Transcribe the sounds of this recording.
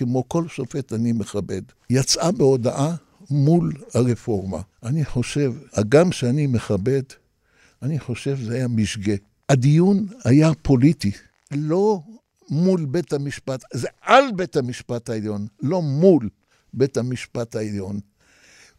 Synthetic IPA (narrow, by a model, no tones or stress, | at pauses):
kemo̞ko̞lʃofetanimeχabe̞d | jat͡sʔabeo̞daʔa | mulhaʁefo̞ʁma̰aniħo̞ʃe̞vaɡamʃeanime̞χabe̞d | aniħo̞ʃe̞vzeajamiʃɡe̞ | ad̪ijunajapʰo̞liti | lo̞ | mulbethamiʃpatzeʔalbe̞tamiʃpataeljo̞nlo̞mul | betamiʃpataeljon